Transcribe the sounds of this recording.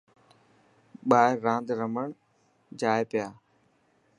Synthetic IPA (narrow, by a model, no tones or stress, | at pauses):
ɓaːɪɾãːnd̪ɾəməɳ̃ | d͡ʒaːjpɪjaː